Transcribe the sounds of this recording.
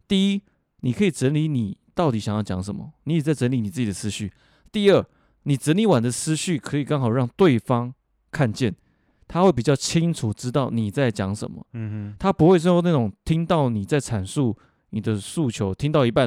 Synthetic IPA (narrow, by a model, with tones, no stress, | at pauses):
t̪i˥˩i˦˥ | ni˨˩kʰɤ˧˥i˨˩ʈ͡ʂə˧˥nli˧˥˦ni˨˩t̪ɑ˥˩ʊt̪i˨˩ɕjɑ˨˩ŋjɑ˥˩ʊt͡ɕjɑ̰˧˥ŋʂə˨˦mə̰˦ni˧˥jɛ˨˩t͡sa˥˩ɪʈ͡ʂə˧˥nli˧˥ni˨˩t͡sɹ̩˥˩t͡ɕi˨˩ə˨˩sʰɹ̩˧˦ɕy˥˩ | t̪i˥˧ə˥˩ | ni˨˩ʈ͡ʂə˧˥nli˧˥wa˨˩nd̪ə˦sʰɹ̩˥ɕy˥˩kʰɤ˧˥i˨˩kɑ˥ŋxɑ˨˩ʊɻɑ˥˧ŋt̪we˥˩ɪfɑ˥ŋ | kʰa˥˧nt͡ɕjɛ˥˩n | t̪ʰa˦xwe˥˩ɪp̬i˨˩t͡ɕjɑ˥˩ʊt͡ɕʰi˥ŋʈ͡ʂʰu˨˩ʈ͡ʂɻ̩˥t̪ɑ˥˩ʊni˨˩t͡sa˥˩ɪt͡ɕjɑ˧˥ŋʂə̰˨˩nmə̰˦t̪ʰa˥pu˧˥xwe˥˩ɪʂ̬ə˥nwo˧˥na˥˩ʈ͡ʂʊ˨˩ŋt̪ʰi˥ŋt̪ɑ˥˩ʊni˨˩t͡sa˥˩ɪʈ͡ʂʰa˨˩nsu˥˩ | ni˨˩d̪ə˦su˥˩t͡ɕʰjo˧˥ʊt̪ʰi˥ŋt̪ɑ˥˩ʊi˧˥pa˥˨